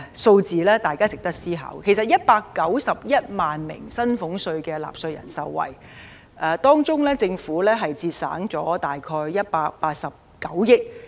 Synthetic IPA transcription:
so˧wt͡siː˨lɛː˥t̪aː˨˩jkaː˥t͡sɪ˨k̚t̪ɐ˥k̚siː˥ɦɐ̰˨˥wkʰe˨˩s̬ɐ˨t̚jɐ˥t̚paː˧kːɐ˨˥wsɐ˨p̚jɐ˥t̚maː˨nmɪ̰˨˩ŋsɐ˥nfʊ˨˧˥ŋsɵ˧ɥkɛː˧la̰ː˨˩p̚sɵ˧t̚jɐ̰˨˩nsɐ˧wːɐ̰˨˩j | ʔɛː˧t̪ɔː˥ŋt͡sʊ˥ŋlɛː˥t͡sɪ˧ŋfuː˨˥lɛː˥ɦɐ˨jt͡siː˧t̚sa̰ː˨˥ŋt͡sɔː˨˥t̪aː˨jkʰɔː˧jjɐ˥t̚paː˧k̚paː˧t̚sɐ˨˩p̚kɐ˨˥wjɪ˥k̚

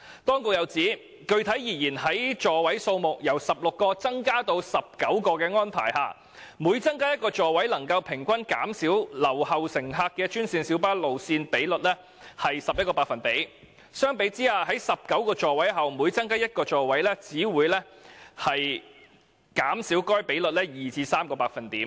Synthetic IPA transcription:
t̪ɔː˥ŋkʊ˨k̚jɐ˨˧wt͡siː˨˥ | kɵ˧ɥt̪ʰɐ˨˥jiː˨˩jiː˨˩nɦɐ˨˥jt͡ʃɔː˨wɐ˨˥jso˧wmʊ˨k̚jɐ˨˩wsɐ˨p̚lʊ˨kːɔː˧t͡sɐ˥ŋkaː˥t̪o˧wsɐ˨p̚kɐ˨˥wkɔː˧kɛː˧ŋɔː˥npʰa̰ː˨˩jha̰ː˧˩ | muː˨˥jt͡sɐ˥ŋkaː˥jɐ˥t̚kɔː˧t͡ʃɔː˨wɐ˨˥jlɐ˨˩ŋkɐ˧wpʰɪ˨˩ŋkʷɐ˥nkaː˨˥msiː˨˥wlɐ˨˩whɐ˨wsɪ˨˩ŋɦaː˧k̚kːɛː˧t͡ʃyː˥nsiː˧nsi˨˥wpaː˥lo˨wsiː˧npe˨˥jlɵ˨t̚lɛ˥ | hɐ˨jsɐ˨p̚jɐ˥kɔː˧paː˧kfɐ˨npe˨˥j | sœː˥ŋpe˨˥jt͡siː˥aː˧ɦɐ˨˥jsɐ˨p̚kɐ˨˥wkɔː˧t͡ʃɔː˨wɐ˨˥jɦɐ˨wmuː˨˧jt͡sɐ˥ŋkaː˥jɐ˥t̚kɔː˧t͡ʃɔː˨˩wɐ˨˥jlɛː˥t͡siː˨˥wuː˨˧jlɛː˥hɐ˨j | kaː˨˥msiː˨˥wkɔː˥jpe˨˥jlɵ˨t̚lɛː˥jiː˨t͡siː˧saː˥mkɔː˧paː˧k̚fɐ˨˩nt̪iː˨˥m

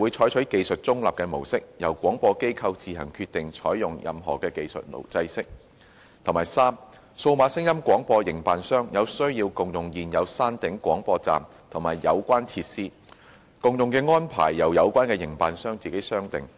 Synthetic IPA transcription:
wuː˨˧jt͡ʃʰɔː˨˥jt͡ʃʰɵ˨˥ɥke˧jsɵ˨t̚t͡sʊ˥ŋlaː˨p̚kɛː˧mo˨˩wsɪ˥k̚jɐ˨˩wkʷɔː˨˥ŋpɔː˧ke˥jkʰɐ˧wt͡siː˨ɦɐ˨˩ŋkʰyː˧t̪̚ɪ˨ŋt͡ʃʰɔː˨˥jjʊ˨ŋjʔɐ̰˨mɦɔ̰ː˨˩kɛː˧ke˧jsɵ̰˨t̚mo̰˨˩wt͡sɐ˧jsɪ˥k̚ | t̪ʰmaː˨˩jsaː˥m | so˧wmaː˨˧sɪ˥ŋjɐ˥mkʷɔː˨˥ŋpɔː˧jɪ˨˩ŋpaː˨nsœː˥ŋjɐ˨˧wsɵ˥ɥjiː˧wkʊ˨ŋjʊ˨ŋjiː˨njɐ˨˧wsaː˥nt̪ɪ˨˥ŋkʷwɔ̰ː˨˥ŋpɔː˧t͡sa̰ː˨m | t̪ʰʊ˨˩ŋmaː˨˩jːɐ̰˨˧wkʷaː˥nt͡sʰiː˧t̚siː˥ | kʊ˨ŋjʊ˨ŋkɛː˧ŋɔː˥npʰa̰ː˨˩jːɐ˨˩wjɐ˨˧wkʷaː˥nkɛː˧jɪ˨˩ŋpaː˨nsœː˥ŋt͡siː˨ke˨˥sœː˥ŋt̪ɪ̰˨ŋ

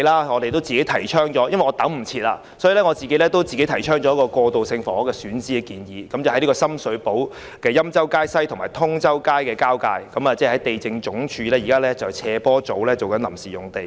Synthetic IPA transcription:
laː˥ŋɔː˨˧ɾe˨jt̪o˥wt͡siː˨ke˨˥jt̪ʰɐ˨˩jt͡ʃʰœː˥ŋt͡ʃɔː˨˥jɐ˥nʋɐ˨jŋɔː˨˧t̪ɐ˨˥ŋm̩˨˩t͡sʰiː˧t̚la̰ː˧ | sɔː˨˥jiː˨˧lɛ˥ŋɔ˨˧t͡siː˨ke˨˥jlɛ˥t̪o˥wt͡si˨ke˥t̪ʰjt͡ʃʰœː˥ŋt͡ʃɔː˨˦˥kɔː˧kɔː˧t̪o˨wsɪ˧ŋfɔː˨˥kɛː˧syː˨˥nt͡siː˥ɛ˧kiː˨njiː˨˧kɐ˨˦mt͡sɐ˨hɐ˨˦jliː˥kɔː˧sɐ˥msɵ˨˥po˨˥w | kɛː˧jɐ˥mt͡sɐ˥wkaː˥jsɐ˥jt̪ʰʊ˨˩ŋmaː˨˩jt̪ʰʊ˥ŋt͡sɐ˥wkaː˥jkɛː˧kaː˥wkaː˧jkɐ˨˥mɐː˨t͡sɛː˥˩hɐ˨˥jt̪e˨jt͡sɪ˧ŋt͡sʊ˨˥ŋt͡ʃʰyː˨˧lɛː˥jiː˨˩kaː˥lɛ˥t͡sɐ˨˩wt͡sʰɛː˧pɔː˥t͡so˨˥wlɛː˥t͡so˨wkɐ˨˥nlɐ˨˩msiː˨jʊ˨˩ŋt̪e˨j

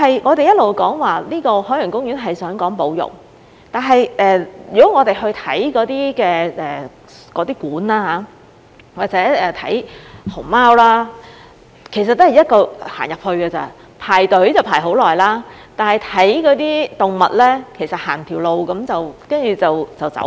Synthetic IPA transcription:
hɐ˨jŋɔː˨˧t̪e˨jɐ˥t̚lo˨wkɔː˨˥ŋwaː˨˩liː˥kɔː˧hɔː˨˥jŋkʊ˥ŋjyː˨˥nɦɐ˨jsœː˨˥ŋkɔː˨˥ŋpo˨˥wjʊ̰˨˩k̚ | t̪aː˨˩nɦɐ˨jʔɛː˨jyː˨˩kɔ˨˦˥ŋɔː˨˧t̪e˨jɦɵ˧ɥt̪ʰɐ˨˥jkɔː˨˥t̪iː˥kɛː˧ɛː˨˩ | kɔː˨˧t̪iː˥kuː˨˥naː˧˥ɦaː˨˧˥ | waː˨˩t͡sɛː˨˥ɛː˨˩t̪ʰɐ̰˨˥jho˨˩maː˥wlaː˥ | kʰe˨˩js̬ɐ˨t̚t̪o˥hɐ˨jɐ˥t̚kɔː˧ha̰ː˨˩njɐ˨p̚hɵ˧ɥkɛː˧t͡sɐ̰˨ | pʰaː˨˩jt̪ɵ˨˥ɥt͡sɐ˨wpʰaː˨˩jɦo˨˧˥wlɔː˨˩jlaː˥ | t̪aː˨nhɐ˨jt̪ʰɐ˨˥jkɔː˨˧˥t̪iː˥t̪ʊ˨˩ŋmɐ̰˨t̚lɛː˥kʰe˨˩jsɐ˨t̚haː˨˩nt̪ʰiː˨˩wlo˨wkɐ˨˥mt͡sɐ˨˩wkɐ˥nt͡ʃyː˨t͡sɐ˨wt͡sɐ˨˩wt͡sɐ̰˨˥w

